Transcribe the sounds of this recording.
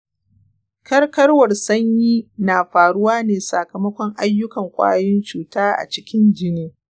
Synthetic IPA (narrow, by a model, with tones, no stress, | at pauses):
kʰɐ˦rkɐ˦rwɐ˨rsɐ˦ɲjiː˦naː˨ɸaː˨ɽʊ˦waː˦neː˨sɐ˨kɐ˨mɐ˦kʷɔ˦ŋʔa˦jːʊ˦kɐ˨ŋkʷʼa̰ː˦jɪ˦nt͡ʃuː˨taː˦ʔa̰˨t͡ʃɪ˦kʲɪ˦nd͡ʒɪ˦niː˦